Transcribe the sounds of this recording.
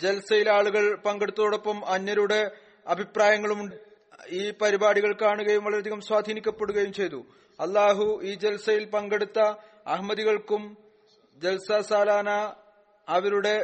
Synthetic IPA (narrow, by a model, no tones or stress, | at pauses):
d͡ʑe̞lɐsɐjilaːɭuɣɐɭpɐŋɡe̞ɽut̪ːɐðoːɽo̞pːɐmɐnːɐɾuɽe̞ | ɐbʱipraːjɐŋːɐɭumuɳɖɨ | iːpɐɾibaːɽiɣɐɭkaːɳuɣɐjumʋɐɭɐɾeɐd̪ʱiɣɐmswaːd̪ʱiːnikʲːɐpːe̞ɽuɣɐjumt͡ɕe̞jt̪u | ɐlˠːaːɦuiːd͡ʑelɐsɐjilpɐŋɡe̞ɽut̪ːɐ | ɐɦmɐðiɣɐɭkum | d͡ʑelɐsɐsaːlaːnɐː | ʋɐɾuɽe̞